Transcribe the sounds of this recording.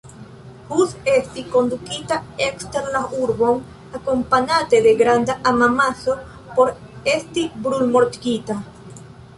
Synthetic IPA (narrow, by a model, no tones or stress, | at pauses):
huse̞stiko̞nd̪ukitaeksteɾlauɾbo̞n | ako̞mpanate̞d̪e̞ɡɾand̪aʔamamaso̞ | po̞ɾ | e̞stibɾulmo̞ɾtɡita